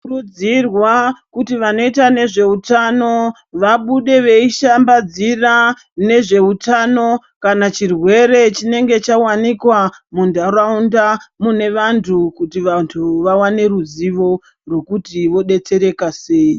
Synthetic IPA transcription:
rud͡zirwakutiʋano̞itane̞ʐe̞utano̞ | ʋaɓuɗe̞ʋe̞iʃambad͡zira | ne̞ʐe̞utano̞ | kanat͡ʃirwe̞ɾe̞t͡ʃine̞ŋɡe̞t͡ʃawanikwamundaraundamune̞ʋantʰukutiʋantʰuʋawane̞ruziʋo̞ | rwe̞kutiʋo̞ɗe̞t͡se̞ɾe̞kase̞i

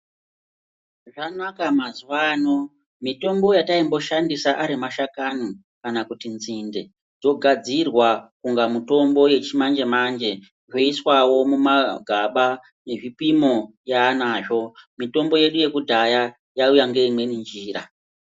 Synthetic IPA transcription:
ʐanakamazuwaːno̞ | mito̞mbo̞jataimbo̞ʃandisaʔaɾimaʃakano | kanakutinzinde̞ | d͡zo̞ɡʱad͡zirwakuŋɡamuto̞mbo̞je̞t͡ʃimand͡ʒe̞mand͡ʒe̞ | ʐoiswawo̞mumaɡʱaɓa | ne̞ʐipimo̞ | jaːnaːʐo̞mito̞mbo̞je̞ɗuje̞kudʱaja | jaujaŋɡe̞imwe̞nind͡ʒiːra

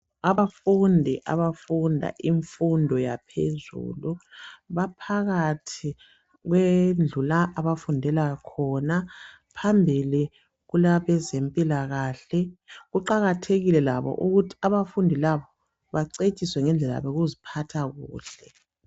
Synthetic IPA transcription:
aβafundʱiʔa̰βafundʱa̰ʔiɱfundʱɔjapʰezṵːluβapʰaɣatʰi | ɣwend͡ɮulaʔaβafundʱɛlakʰɔna | pʰambʱili | ɣulaβɛzempʼilaɣaːɬɛɣuǃaɣatʰeɣilɛlaβɔ̰ʔuɣutʰi̥aβafundʱilaβɔ | βaǀet͡ʃʼiswɛŋɛnd͡ɮʱɛlaa̰βɛɣuzipʰatʰaɣṵːɬɛ

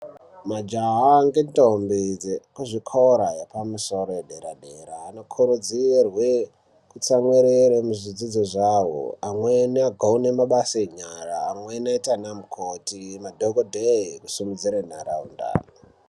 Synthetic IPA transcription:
mad͡ʒaɦaŋɡentombid͡zekuʐikʰoɾajepamusoɾoeɗeɾaɗeɾaːno̞kʰuɾud͡zirwe | kut͡samweɾeɾemuzid͡zid͡zoʐawo̰amweniaɡʱaunemaɓaseɲaraːmwenaitanamukʰotimadʱoɡodʱeiku̥simud͡ziɾen̤aɾa̰ṵnda̰r

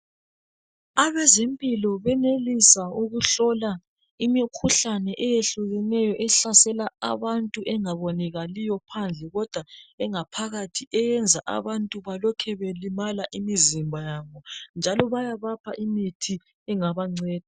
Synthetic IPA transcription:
aβɛzempʼilɔβɛnelisauɣuɬɔla | imikʰuɬanɛʔɛjeɬuɣɛnɛjɔʔɛɬasɛlaa̰βantʼuʔɛŋaβɔnɛɣalijɔpʰand͡ɮʱɛɣɔd̥ʱwaɛŋapʰaɣatʰiɛjɛnd͡zʱaʔa̰βantʼuβalɔkʰɛβelimalaʔimizimbʱajaːβɔnd͡ʒʱalɔβajaβapʰaʔimitʰi | ɛŋaβaŋ͡ǀɛːd̥̚ʱa

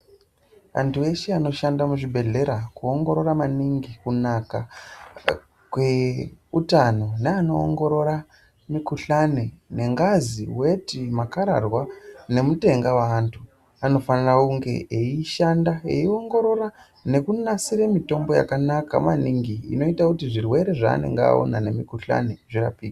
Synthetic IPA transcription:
a̰ntʰue̞ʃeanoʃandamuʐibʱe̞ɮe̞ɾakuo̞ŋɡo̞ɾo̞ɾamaniŋɡikunaka | kwe̞utano̞neano̞̰ːŋɡo̞ɾo̞ɾa | mikuɬanene̞ŋɡazḭwe̞timakaɾa̰rwane̞mute̞ŋɡawantʰu | ano̞fanarakuŋɡe̞̰eiʃandaḛio̞ŋɡo̞ɾo̞ra | ne̞kunasiɾemito̞mbo̞ja̰kanaka̰ma̰niŋɡiːno̞itakutiʐirwe̞ɾe̞ʐa̰ːne̞̰ŋɡea̰o̰na̰ne̞mikuɬa̰ne̞ʐira̰piːɡa

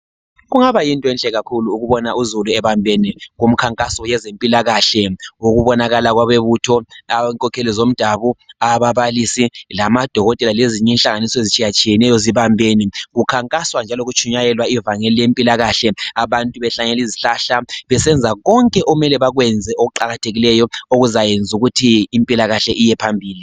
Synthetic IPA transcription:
ɣuŋaβajintʼɔɛnɬɛɣakʰuluːɣuβɔnauzuluɛβambʱeniɣum̩kʰaŋkʼasɔjɛzempʼilaɣaɬɛoɣuβɔnaɣalaɣwaβeβutʰɔaŋkʼɔkʰelizom̩d̥ʱaβuaβaβalisilamad̥ʱɔɣɔtʼɛlaleziɲɛinɬaŋanisɔezit͡ʃʼijat͡ʃʼijɛnɛjɔziβambʱeniɣukʰaŋkʼaswand͡ʒʱaloɣut͡ʃʼʰuɲajɛlwaivaŋɛlijempʼilaɣaɬɛaβantʼuβɛɬaɲɛliziɬaɬaβɛsɛnd͡zʱaɣɔŋkʼɛʔɔmɛlɛβaɣwɛnd͡zʱɛʔoɣuǃaɣatʰeɣilɛjɔoɣuzajend͡zʱuɣutʰiːmpʼilaɣaɬɛʔijɛpʰambʱiːli

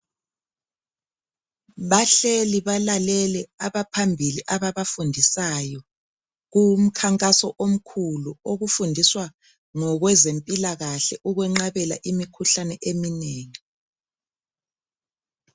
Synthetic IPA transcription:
βaɬeliβalalɛlɛaβapʰambʱiliʔaβaβafundʱisajɔ | ɣum̩kʰaŋkʼasɔʔom̩kʰuluoɣufundʱiswa | ŋɔɣwɛzempʼilaɣaɬɛʔuɣwɛŋ͡ǁaβɛla̰ʔimikʰuɬanɛʔemineːŋi

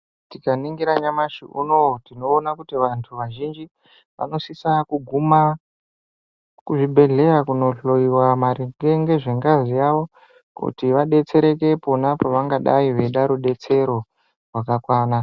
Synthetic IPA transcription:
tikaniŋɡiɾaɲamaʃḭʔuno̞tino̞ːnakutiʋantʰuʋaʒind͡ʒi | ʋa̰no̞sisakuɡʱuma | kuʐibʱe̞ɮe̞ɾakuno̞ɬo̞iwamaɾiɡeŋɡe̞ʐe̞ŋɡazijaʋo̞ | kṵtiʋaɗe̞t͡se̞ɾe̞ke̞po̞napaʋaŋɡaɗaiʋe̞ɗaɾuɗe̞t͡se̞ɾo̞ | rwakakwaːna

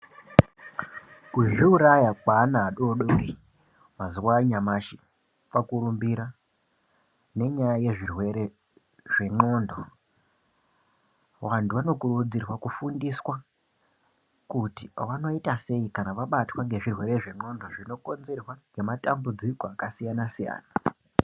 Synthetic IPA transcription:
kuʒiuɾajakwaːnaːɗoɗoɾi | maziwaɲamaʃi | pakuɾumbiɾa | ne̞ɲajaje̞ʐirwe̞ɾe | ʐ̥e̞ŋ͡ǃo̞ndo̞ | wantʰuʋano̞kurud͡zirwakufundiswa | kutiʋano̞itase̞ikanaʋaɓatwaŋɡe̞ʐirwe̞ɾe̞ʐe̞ŋ͡ǃo̞ndo̞ʐino̞ko̞nze̞rwaŋɡe̞matambud͡ziko̞akasijanasija̰ːna

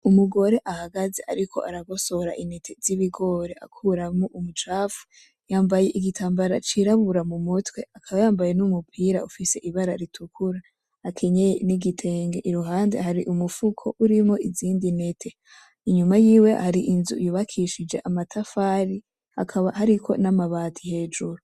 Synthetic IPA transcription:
umuɡo̞ɾe̞ʔahaɡaze̞ʔaɾikʰo̞̰ʔaɾaɡo̞so̞ɾa̰ʔine̞tʰe̞ziβiɡo̞ːɾe̞ʔa̰kʰuɾamoʔumut͡ʃaːfu̥ | jaːmbaje̞ʔiɡitʰaːmbaɾat͡ʃiɾaβuɾamumutwe̞akʰaβajaːmbaje̞numupʰiːɾaufise̞ʔiβaɾaɾitʰukʰuɾaː | kʰe̞ɲejeniɡitʰe̞ːŋɡe̞ʔiɾuɦaːnde̞haɾiʔumufukʰo̞ʔuɾimoiziːndine̞tʰe̞ | iɲumajiːwe̞haɾiʔinzṵjuːβakʰiʃid͡ʒe̞ʔamatʰafaːɾi | hakʰaβahaɾikʰo̞̰namaβaːtʰihe̞ːd͡ʒuɾo

